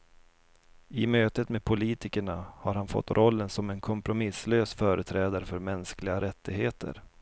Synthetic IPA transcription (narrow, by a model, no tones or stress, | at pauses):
ɪmøːt̪ət̪meːdpʰʊliːt̪ɪkəɳahaɾhanfɔ̰t̪ːɾʔɔlːənsɔmɛnkʰɔmpɾʊmɪsløːsfœːɾət̪ʰɾɛːd̪aɾəfœɾmɛnsklɪɡaɾɛt̪ːɪɡheːt̪ʰə̰ɾ